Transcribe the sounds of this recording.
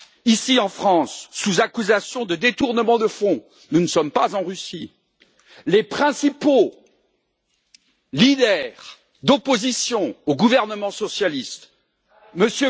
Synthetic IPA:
isiɑ̃fχɑ̃sːuzakyzasjɔ̃d̪əd̪et̪uʁnəmɑ̃d̪əfɔ̃ | nunəsɔmpazɑ̃ʁysi | lepχɛ̃sipo | lid̪ɛʁ | d̪opozisjɔ̃oɡuvɛʁnəmɑ̃sɔsjalist̪ | məsjø

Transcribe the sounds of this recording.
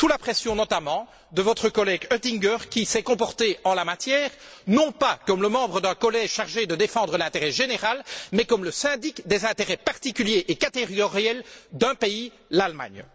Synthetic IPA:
t̪ulapχɛsjɔ̃nɔt̪amɑ̃ | d̪əvɔt̪χəkɔlɛɡøt̪iŋɡœʁkʲisɛkɔ̃pɔʁt̪eɑ̃lamat̪jɛːʁnɔ̃pakɔmləmɑ̃bʁəd̪ɛ̃kɔlɛʒʃaʁʒed̪əd̪efɑ̃d̪ʁəlɛ̃t̪eʁɛʒeneʁalmɛkɔmləsɛ̃d̪ikd̪ɛzɛ̃t̪eʁɛpaʁt̪ikʲyljeʔekat̪eʁɡɔʁjɛld̪ɛ̃pei | lalma̰ɲ

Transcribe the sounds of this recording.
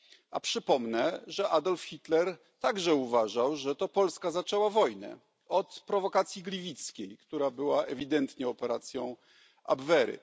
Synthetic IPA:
a̰pʂɘpɔmnɛʐɛʔad̪ɔlfxʲit̪lɛɾ | t̪aɡʐɛuvaʐawʐɛt̪ɔpɔlskazat͡ʂɛwavɔjnɛ̰ | ɔt̪pɾɔvɔkat̪sʲjiɡlʲivʲit̪skʲejkt̪uɾabɘwaʔɛvʲid̪ɛnt̪ɲɛɔpɛɾat̪sʲjɔ̃w̃ | a̰bvɛɾɘ̰

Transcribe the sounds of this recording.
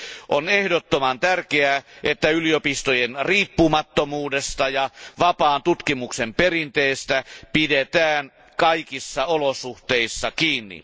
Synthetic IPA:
ʔonehdot̪ːomɑnt̪ærkeæʔet̪ːæyliopist̪ojenriːpːumɑt̪ːomuːdest̪ɑjɑʋɑpɑːnt̪ut̪kimuksemperint̪eːst̪æpidet̪æːn | kɑikisːɑolosuht̪eisːɑkiːnːḭ

